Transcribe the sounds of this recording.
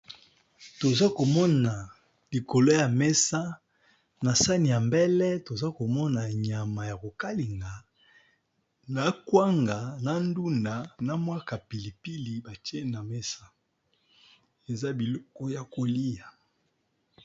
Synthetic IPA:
to˨za˦ko˨mɔ˦na˨ | li˨ko˨lo˦ja˨mɛ˦sa˦ | na˨sa˦ni˨ja˨mbɛ˦lɛ˦to˨za˦ko˨mɔ˦na˨ɲa˨ma˨ja˨ko˨ka˦li˨ŋɡa˨ | na˨kwa˦ŋɡa˨na˨ndu˦nda˨na˨mwa˦ka˨pi˨li˨pi˦li˨ba˨te˦na˨me˦sa˦ | e˨za˦bi˨lɔ˦kɔ˦ja˨ko˨li˦ja˨

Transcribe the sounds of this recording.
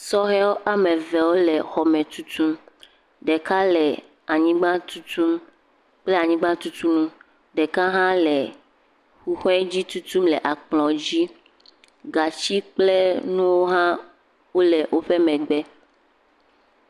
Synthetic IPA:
sɔ˦ɦɛ˦wo˦ʔa˦mẽ˨vɛ˨wo˦lɛ˨xɔ˨mɛ̃˨t̪u˦t̪u˦m | ɖɛ˨ka˦lɛ˨ | a˨ɲĩ˦ɡ͡bã˦t̪u˦t̪u˦m | k͡ple˦a˨ɲĩ˦ɡ͡bã˦t̪u˦t̪u˦nũ˦ | ɖɛ˨ka˦ɦã˦lɛ˨ | xu˦xɛ˦d͡ʑi˦t̪u˦t̪u˦mlɛ˨ʔa˨k͡plɔ̃˨d͡ʑi˦ | ɡa˨t͡ɕi˦k͡ple˦nũ˦wo˦ɦã˦ | wo˦lɛ˨wʔo˦ɸe˦mɛ̃˨ɡ͡bɛ˦

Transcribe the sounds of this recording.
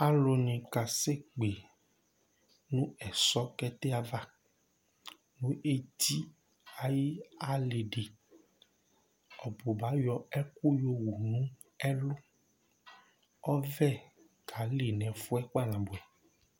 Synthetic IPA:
a˨lo˨nĩ˨ka˨se˦˨k͡pe˨ | nũ˦ɛ˨sɔ˦kɛ˦t̪e˦a˨va˦ | nũ˨˦ʔe˦ti˦ | a˨ji˦a˨le˨ɖe˨ | ɔ˨bo˨ba˨˦jɔ˨ɛ˦ku˦jo˦wu˨nũ˦ | ɛ˦lo˦ | ɔ˦vɛ˦˨ | kʰa˨le˨nɛ̃˨fu˦ɛ˦k͡pa˦˨nã˨bo˨ɛ˨

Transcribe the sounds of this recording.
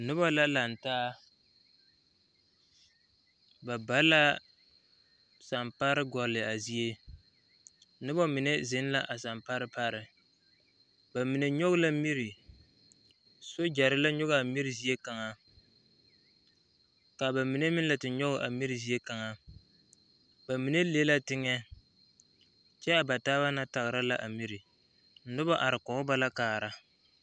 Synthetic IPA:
nɨ˦bɔ˦la˦la˨n̩˨taː˦ | ba˨ba˦la˦ | sa˨mpa˦ɾɨ˦ɡɔ˨lɨ˨a˨zi˦e˦ | nɨ˦bɔ˦mi˨ne˦zɪ˦n˦la˦ʔa˨sa˨mpa˦ɾɨ˦pa˦ɾɪ˨ | ba˨mi˨ne˨ɲɔ˦ɣʊ˦la˦mi˦ɾi˨ | so˦d͡ʒa˨ɾɪ˦la˦ɲʊ˦ɣa˨mi˦ɾɪ˨zi˨e˦ka˨ŋa˨ | ka˨ba˨mi˨ne˦mɪ˦n˦la˨tɪ˨ɲɔ˦ɣʊ˦ʔa˨mi˦ɾi˨zi˦e˦ka˨ŋa˨ | ba˨mi˨ne˦le˦la˦tɪ˦ŋɛ˦ | t͡ʃɛ˦a˨ba˨taː˦βa˦na˦ta˨ɣɾa˦la˦ʔa˨mi˦ɾi˨ | n̩˦nɨ˦bɔ˦ʔa˨ɾɪ˨kɔ˨ʊ˦ba˦la˦kaː˨ɾa˦

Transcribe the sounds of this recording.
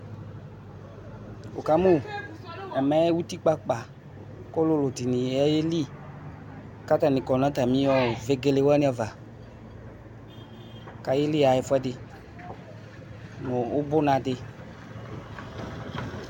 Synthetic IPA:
o˨ka˦mũ˦ | ɛ˨mɛ˦wu˦ti˦k͡pa˦k͡pa˨ | kʊ˦lʊ˦lʊ˨di˨nĩ˨ɛ˦jɪ˦li˦ | ka˦ta˨nɪ̃˨kɔ˨nã˨˦ta˨mĩ˨˦ɔ˨ve˦ɡe˧le˨wɛ˦nĩ˦ɔ˨va˨ | ka˨jɪ˦li˦a˨jɪ˨fʊ˦ɛ˦dɪ˧ | nʊ̃˨ʊ˦bʊ˦nã˨dɪ˧

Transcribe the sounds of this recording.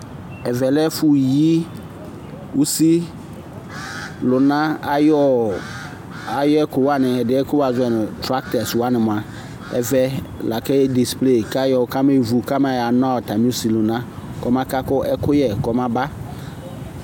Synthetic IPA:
ɛ˨vɛ˨lɛ˦fʊ˦ji˦ | u˦si˦ | lʊ˨nã˦a˦jɔ˦ | a˨jɔ˦ɛ˦kʊ˨wa˦nɪ̃˨ɛ˨dɪ˨˦ɛ˦kʊ˦wa˨zʊ˦ɛ˨nʊ̃˨tɾa˦k̚tɛ˨swa˦nɪ˨mʊ̃˨a˨ | ɛ̰˨vɛ˨la˨kɛ˦di˨sple˦˨ka˦jɔ˨ka˦me˦˨vu˨ka˦m˦a˨ja˨nã˦ɔ˨ta˨mi˦u˦si˨lʊ˨nã˦kɔ˨mã˦ka˦kʊ˦ɛ˦kʊ˦jɛ˨kɔ˨mã˦ba˦

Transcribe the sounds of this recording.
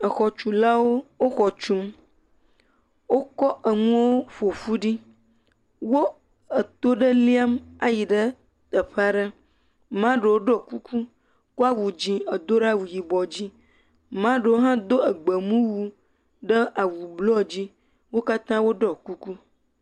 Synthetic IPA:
ə˨xɔ˨t͡ʃu˨la˦wo˦wo˦xɔ˨t͡ʃũ˦m | wo˦kɔ˦ʔə˨ŋũ˦wo˦fo˨fu˦ɖi˦ | wo˦ | ə˨t̪o˦ɖə˦li˦a˦ma˨ji˨ɖə˦ | t̪ə˨ɸe˦a˦ɖə˦ | mã˦ɖə˨wo˦ɖɔ˦˨ku˦ku˦ | ko˦a˦wu˨d͡ʑĩ˨ə˨d̪o˦ɖa˦wu˨ji˨bɔ˨d͡ʑi˦ | mã˦ɖə˨wo˦ɦã˦d̪o˦ə˨ɡ͡bə˨mũ˦wu˦ | ɖə˦a˨wu˨blɔ˦d͡ʑi˦ | wo˦ka˦t̪ã˦wo˦ɖɔ˦ku˦ku˦

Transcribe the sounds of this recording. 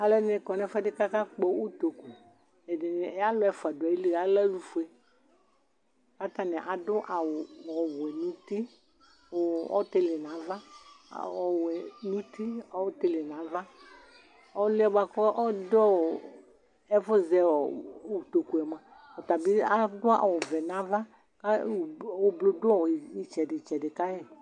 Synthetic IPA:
a˨lɛ˦dɪ˦nɪ˨kɔ˨nɛ˦fɛ˦dɪ˦ka˦ka˦k͡pɔ˨˦u˦to˨ku˨ | ɛ˨dɪ˨nɪ˨˦a˦lʊ˦ɛ˨˦fa˨dʊ˨ɛ˨i˦li˦˨a˦lɛ˦lu˦fu˨˦ɛ˦ | ka˦t̪a˨nɛ˨ʔa˨dʊ˦ʔa˨wɔ˨wʊ˨ɛ˨nũ˦t̪i˦ | ɔ̰˦t̪ɪ˦lɪ˨nã˨˦va̰˦˨ | ɔ˨wɛ˨nũ˦ti˦ɔ˦wte˦lɪ˨nã˨˦va˦ | ɔ˦lɪ˦ɛ˦ba˨kɔ˦ʔɔ˦dɔ˦˨ | ɛ˦fʊ˦zɛ˨u˨t̪o˨ku˨ɛ˨mã˨ | ɔ˨t̪a˨bi˦a˦dʊ˦a̰˨wʊ˨vɛ˨nã˨˦va˦ | ka˦˨wo˦blo˦dʊ˦ɔ˦˨i˨t͡ʃɛ˨dɪ˨t͡ʃɛ˨dɪ˨ka˦ɛ˨

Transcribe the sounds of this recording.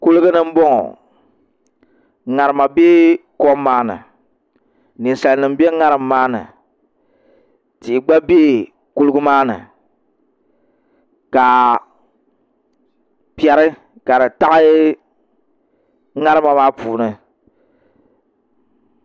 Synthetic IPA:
ku˦lɨ˦ɡɨ˦nɨ˦m̩˦bɔ˦ŋɔ̰˨ | ŋa˨ɾɨ˨ma˨be˦kɔ˦mːaː˦nɨ̰˨ | ni˨n˨sa˨lnɨ˨m˦be˦ŋa˦ɾɨ˨mː˦aː˦nɨ̰˨ | ti˨ɡ͡ba˦beː˦ | ku˦lɨ˦ɡu˦maː˦nɨ̰˨ | ka˨ | pi˦ɛ˨ɾɨ˦ | ka˨ɾɨ˨ta˦ʔɨ˦ | ŋa˦ɾɨ˦ma˨maː˦puː˨nɨ˨

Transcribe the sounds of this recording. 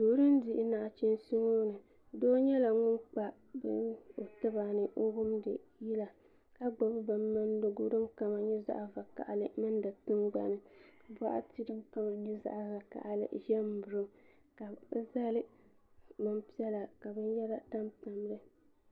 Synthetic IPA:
doː˨˦ɾɨ˦ndi˦ʔɪ˦na˨ʔt͡ʃi˦nsi˦ŋo˦nɨ˨ | doː˦ɲɛ˦la˨ŋʊ˦nk͡pa˨ | bɨ˦no˨tɨ˦ba˨nɨ˨ʔo˦ɡʊ˦mdɨ̰˨ji˦la˨ | ka˦ɡ͡ba˨bɨ˦ba˨mːa˦n˦do˦ɡʊ˦ɾɨ˦mka˨ma˨ɲɛ˦za̰˦ʔva˨ka̰˨ʔa˨lɨ˦mɨ˦nda˨tɨ˦nɡ͡ba̰˨nɨ˦˨ba˦ʔa̰˦ti˦ɾɨ˦mka˦ma˨ɲɛ˦za̰˦ʔza˨ka̰˨ʔa˦lɨ̰˦ʒɛ˦m˨bʊ˨ɾɨ˦ | ka˨˦za˦lɨ˦ | mɨ˦mpi˦ɛ˦la˨ka˨bɨ˦njɛ˦la˦ta˦mta˨m˦lɨ˦

